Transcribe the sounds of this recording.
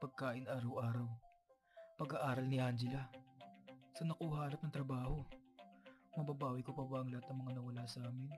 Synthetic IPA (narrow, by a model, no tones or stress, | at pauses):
pɐɡ̚kaːʔɪnʔaːɾɐwʔaːɾɐw | pɐɡaʔaːɾɐlnɪʔand͡ʒɪlɐ | sɐnɐkuːhaʔalɐp̚nɐŋt̪ɾɐbaːho̞ | mɐbabaːwɐjkopɐwaʔɐŋlɐhat̪ːɐŋmɐŋanɐwɐlasɐʔaːmɪn